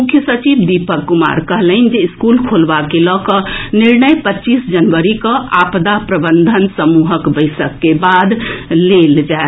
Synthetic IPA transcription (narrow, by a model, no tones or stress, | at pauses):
mukʰjəsət͡ʃibd̪ipəkːuma̰ɾkəɦlənd͡ʒeiskulkʰolbakelɔkəniɾnəjpətːt͡ʃisd͡ʒənʋəɾikə̃ʔapd̪apɾəbənd̪ʱənsəmuɦəkbəjsəkːebad̪leld͡ʒae